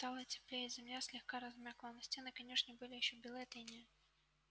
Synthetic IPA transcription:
t̪ɑlˠətʲɪ̥plʲejɪzʲɪmlʲasʲlʲɪxkaɾɐzmʲaklˠənɐsʲtʲenɨkɐnʲeʂnʲɪbɨlʲɪjɪɕːobʲɪlˠeɐt̪enʲɪj

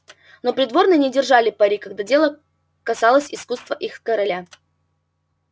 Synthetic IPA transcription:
no̞pɾʲɪd̪vo̞rnɨnʲɪdʲɪrʐalʲɪpɐɾʲikɐɡ̚d̪adʲe̞lˠə | kɐsɑlˠəsʲɪskust̪vəʔixkəɾɐlʲa

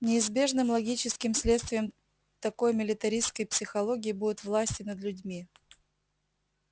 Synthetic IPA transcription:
nʲɪɪzbʲe̞ʐnɨmlˠɐɡʲit͡ɕɪskʲɪmsʲlʲet̪st̪vʲɪjəm | t̪ɐko̞jmʲɪlʲɪt̪ɐɾʲiskəjpsʲɪxɐlˠoɡʲɪɪbud̪ʲʊt̪vlˠasʲtʲɪnəd̪lʲʉdʲmʲi

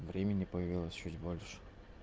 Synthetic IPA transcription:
vɾʲemʲɪnʲɪpəjɪvʲilˠəsʲt͡ɕutʲbolʲʂɨ̥

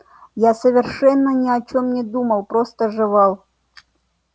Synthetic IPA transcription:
jasəvʲɪrʂɛnːənʲɪɐt͡ɕomnʲɪd̪uməlˠpɾost̪əʐɨvɑlˠ

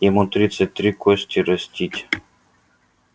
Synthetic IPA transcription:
jɛmut̪ɾʲit̪sɛt̪ɾʲikɔsʲt̪ʲiɾɐsʲt̪ʲit̪ʲ

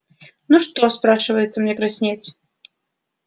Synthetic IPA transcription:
nuʂt̪ospɾaʂɨvəjɪt̪səmnʲɛkɾɐsʲnʲet̪s

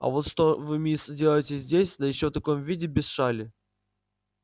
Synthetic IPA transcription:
ɐ̰vo̞t̪ʂt̪ovɨmʲisdʲelˠəjɪtʲɪzʲdʲesʲd̪əjɪɕːoft̪ɐko̞mvʲidʲɪbʲɪsʂalʲɪ

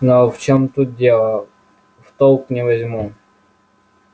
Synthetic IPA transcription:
noft͡ɕomt̪ut̪̚dʲelˠə | ft̪olˠknʲɪvɐzʲmu

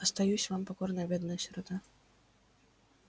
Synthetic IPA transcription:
ɐst̪ajusʲvampakɔrnɐjɐbʲɛd̪nɐjɐsʲɾɔt̪a

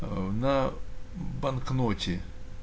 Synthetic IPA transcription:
nɐ | bɐnknotʲɪ

